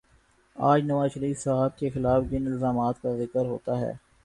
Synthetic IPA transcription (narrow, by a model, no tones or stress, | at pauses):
aːd͡ʒnɐʋaːzʃəɾiːfsaːɦət̪̚kexɪlaːfd͡ʒɪnɪlzaːmaːt̪kazɪkəɾɦo̰ːt̪aɦɛ̰ː